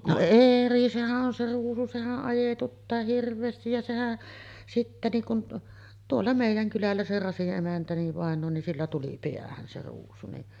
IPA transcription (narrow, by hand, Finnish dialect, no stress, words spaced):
no eri sehæʔ ʔon se ruːsu sehæʔ ʔɑjetutːɑː hirʋˑeːstij jɑ sehæ sitːæ niːŋ kun tuolːɑ meˑijˑæŋ kylælːæ se rɑsiʔ ʔemæntæ niʋ ʋɑˑenˑoː nin silːæ tuli piæhæn se ruːsu ni